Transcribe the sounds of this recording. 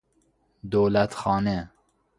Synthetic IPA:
d̪owlæt̪xɑːnɛ

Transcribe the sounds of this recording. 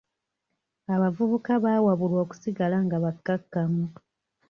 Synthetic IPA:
aβavuβukaβaːwaβulwo̞ːku̥siɡalaŋɡaβakːakːamu

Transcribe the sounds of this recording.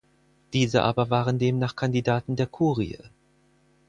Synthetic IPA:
d̥iːzəʔa̰ːbɐvaːʁəndeːmnaːχkʰandidaːtn̩deːɐkʰuːʁḭə̰

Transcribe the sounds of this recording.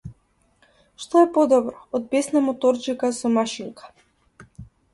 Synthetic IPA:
ʃt̪ɔɛpɔd̪ɔbɾɔːd̪̚bɛsnamɔt̪ɔɾt͡ʃikasɔmaʃiŋkḁ

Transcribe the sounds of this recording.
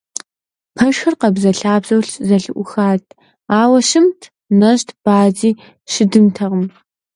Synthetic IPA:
pʰɐʃxɐrqɐbzɐɬaːbzɐwɬzɐɬɨʔʷʊxaːtʰ | aːwɐʃɨmtʰ | nɐʑtʰb̥aːziː | ʃɪdɨmtʰɐʁəm

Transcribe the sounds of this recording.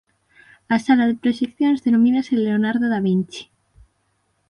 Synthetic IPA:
asalaðepɾoʃekθjonzðenomĩnaseleonaɾðoðaβint͡ʃi̥

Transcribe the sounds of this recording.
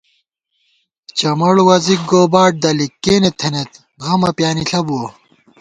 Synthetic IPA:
t͡ɕɐmɐɽwɐzik̚ɡoːbaːʈ̚d̪ɐlikːeːnet̪ʰenet̪ | ɣɐmɐpjaːniɬʰɐbuo

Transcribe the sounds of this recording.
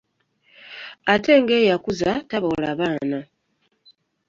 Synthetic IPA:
ate̞ːŋɡe̞ːjakuzataβolaːβaːna

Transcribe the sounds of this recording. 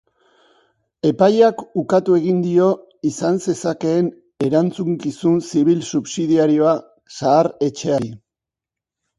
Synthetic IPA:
e̞pajakukat̪ue̞ɣind̪io̞ | isanse̞sake̞ːn | e̞ɾant͡suŋkisunsiβ̞ilsuβsiðiaɾio̞a | saːɾe̞t͡ʃe̞aɾi

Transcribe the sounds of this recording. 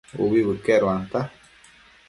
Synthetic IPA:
ṵβiβɨkeɾoant̪a

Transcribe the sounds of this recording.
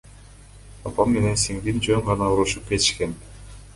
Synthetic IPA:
ɑpɑmme̞ne̞nsiŋd̪ind͡ʒøɴʁɑnɑuɾuʃup̚ke̞t̪ɪ̥ʃke̞n

